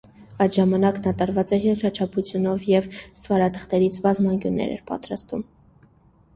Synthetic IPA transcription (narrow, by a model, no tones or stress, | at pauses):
ɑjt̪ʒɑmɑnɑknɑt̪ɑɾvɑt͡sɛjɛɾkɾɑt͡ʃʰɑpʰut͡sʰjunɔvjɛvst̪vɑɾɑt̪ʰə̥χt̪ɛɾit͡sʰbɑzmɑŋkʲjunːɛ̰ɾɛ̰ɾpɑ̰t̪ɾɑst̪ṵm